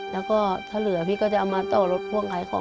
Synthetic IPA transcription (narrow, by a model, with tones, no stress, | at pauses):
lɛː˦˥wkɔː˥˩t̪ʰaː˥˩lɯ˨˩˦pʰiː˧˥˩kɔː˥˩t͡ɕa˨ʔa˧maː˧t̪ɔː˧˩lo˦˥t̪̚kʰu˥˩əŋkʰaː˧˩˦jkʰɔ̰ː˨˦